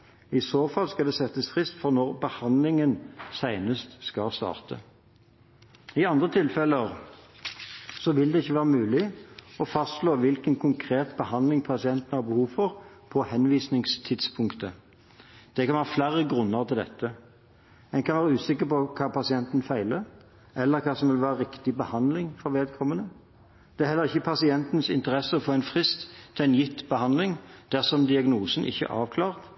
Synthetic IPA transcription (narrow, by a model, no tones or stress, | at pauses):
ɪsoːfɑlskɑld̪ɛːsɛt̪ːəsfʁɪst̪fɔʁnɔʁbəhɑnd̪lɪŋənsæɪnəst̪skɑst̪ɑ̰ːʁt̪ʰə̰ | ɪɑnd̪ʁət̪ʰɪlfɛləʁ | sɔʋɪld̪ɛɪçːəʋæːʁəmʉːlɪɔfɑst̪sloːʋɪlkənkʰʊŋkʰʁeːt̪bəhɑnd̪lɪŋpʰɑsɪɛnt̪ən̩hɑʁbəhuːʋfɔʁpʰɔhɛnʋiːsnɪŋst̪ʰɪd̪spʰʊŋkt̪ə | d̪̥ɛkʰɑnʋæːəflæɾəɡʁʉnːəʁt̪ʰɪld̪ɛ̰t̪ːə | ɛnkʰɑnʋæːʁəʉːsɪkːəʁpɔkʰɑːpɑsɪɛnt̪n̩fæɪlə | ɛlːəʁkʰɑːsɔmʋɪlʋæːʁəʁɪkt̪ɪbəhɑnd̪lɪŋfɔʁʋeːd̪̚kʰɔmːənə | d̪̥ɛæɾhɛlːəʁɪçːəpʰɑsɪɛnt̪nsɪ̰nt̪əʁɛsːəɔfoːɛɪnfʁɪst̪ːʰɪlæɪnjɪt̪ːbəhɑnd̪lɪŋd̪̥æʁsɔmd̪ɪɑɡnuːsənʔɪ̰çːə̰ʔɑːʋkʰlɑːʁt̪